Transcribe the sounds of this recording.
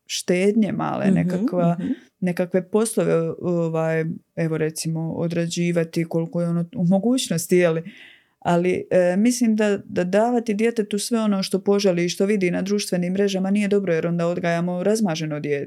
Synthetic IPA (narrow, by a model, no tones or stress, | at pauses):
ʃt̪eːd̪ɲe̞ma̰lḛnḛkakʋa | ne̞kakʋe̞po̞slˠoʋeoʋaːje̞ʋoɾe̞t̪simo̞o̰d̪ɾad͡ʑiːʋat̪iko̞likojeo̞noːumo̞ɡuːt͡ɕno̞st̪ijeli | alimisliːmd̪ad̪ad̪aːʋat̪id̪je̞t̪e̞t̪usʋe̞o̞no̞ːʃt̪o̞po̞ʒeliːʃt̪o̞ʋid̪iːnad̪ɾuːʃt̪ʋe̞niːmːɾe̞ʒamanije̞d̪o̞bɾoje̞ɾo̞nd̪aːo̞d̪ɡaːjaːmo̞ɾazmaːʒe̞nod̪jet̪